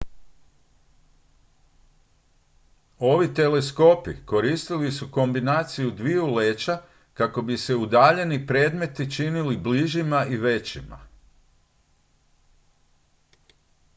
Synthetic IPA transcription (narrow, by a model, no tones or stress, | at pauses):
o̞ʋit̪e̞le̞sko̞pḭko̞ɾist̪ilisuko̞mbinaːt̪sijud̪ʋiuleːt͡ʃa | kako̞bise̞ud̪aːʎe̞nipɾe̞ːd̪me̞t̪it͡ʃinilibliʒimaiʋe̞t͡ɕima̰